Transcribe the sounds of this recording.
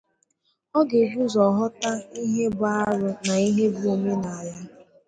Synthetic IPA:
ɔ˦ɡe˨ɡu˦zɔ˨ɦɔ˦ta˦i˦ɦe˦bʊ˦a˦ɾʊ˦na˨i˦ɦe˦bʊ˦o˨me˦na˨a˨ja˦

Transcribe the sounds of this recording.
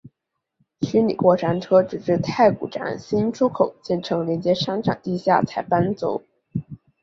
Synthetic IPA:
t͡ɕʰy˧˥nlḭ˨˩kwɔ˥˩ʂa˧˥nʈ͡ʂʰɤ˥ʈ͡ʂɻ̩˨˩ʈ͡ʂɻ̩˥˧t̪ʰa˥˩ɪkṵ˨˩ʈ͡ʂa̰˧˥nɕi˥nʈ͡ʂʰu˥kʰo˨˩ʊt͡ɕjɛ˥˩nʈ͡ʂʰɤ˧˥ŋljɛ˧˥nt͡ɕjɛ˥ʂa˥nʈ͡ʂʰa̰˨˩nt̪i˥˧ɕja̰˥˩t͡sʰa˨˩ɪpa˥nt͡so˧˥ʊ

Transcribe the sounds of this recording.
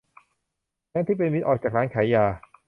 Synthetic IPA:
nɛː˦˥nt̪ʰiː˥˩pe˧nwi˦˥t̪ʔɔː˨˩k̚t͡ɕaː˨˩k̚ɾaː˦˥nkʰaː˩˦jaː˨˧˩

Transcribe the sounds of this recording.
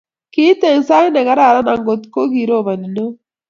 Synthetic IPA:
ki˦t̪e˦˨nsa˦ne˨ɣɐ˦ɾa˨ɾa˦na˨ŋɡo˨t̪ko˦ɣi˨ɾo˦˨βɐ˨ni˨no˦

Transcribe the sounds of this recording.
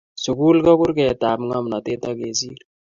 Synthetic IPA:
su˨kuː˦lkɔ˦ku˦ɾkɛ˨taː˨mŋɔ˦mnɔ˨t̪e˦t̪ɔ˦ke˨siː˦ɾ

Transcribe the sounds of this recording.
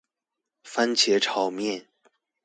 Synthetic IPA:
fa˥nt͡ɕʰjɛ˧˥ʈ͡ʂʰɑ˨˩ʊmjɛ˥˨n

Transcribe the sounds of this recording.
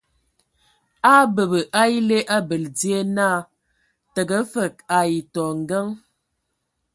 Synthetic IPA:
a˦bə˨bə˨ʔa˦i˦le˦ʔa˦bə˨ld͡zi˦e˦na˦˨ | tə˨ɡə˨˦fə˨k̚a˨i˨tɔ˨ŋ̩˨ɡə˦ŋ

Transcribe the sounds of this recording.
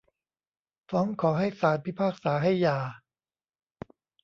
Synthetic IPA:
fɔː˦˥ŋkʰɔː˩˦ɦa˥˩jsaː˨˦t̪̚pʰi˦˥˩pʰaː˥˩k̚saː˩˦ɦa˥˩jːaː˨˩

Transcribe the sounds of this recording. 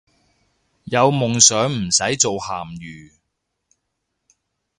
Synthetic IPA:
jɐ˨˧wmʊ˨ŋsœː˨˥ŋm̩˨˩sɐ˨˥jt͡so˨whaː˨˩mjyː˨˩

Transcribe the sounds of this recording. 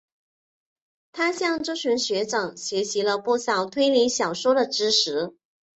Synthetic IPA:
t̪ʰa˥ɕjɑ˥˧ŋʈ͡ʂɤ˥ɕi˧˥nɕɥɛ˧˥ʈ͡ʂɤ˨˩ŋɕɥɛ˧˥ɕi˧˥lə˧pu˥˩sɑ˨˩ʊt̪ʰwe˥ɪli˧˥ŋɕjɑ˨˩ʊʂwɔ˥d̪ə˨ʈ͡ʂɻ̩˥ʂʰɻ̩˧˥

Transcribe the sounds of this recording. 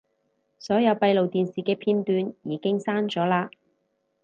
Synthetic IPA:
sɔː˨˥jɐ˨˧wpɐ˧jlo˨wt̪iː˨nsiː˨˩kɛː˧pʰiː˧nt̪yː˧njiː˨˧kɪ˥ŋsaː˥nt͡sɔː˨˥laː˧

